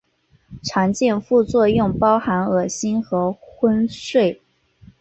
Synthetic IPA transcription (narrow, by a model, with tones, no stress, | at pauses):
ʈ͡ʂʰɑ˧˥ŋt͡ɕjɛ˥˧nfu˥˧t͡swɔ˥˧jʊ˥˩ŋpɑ˥ʊxa˧˥nɤ˨˩ɕi˥nxɤ˧˥xwə˥nswe˥˩ɪ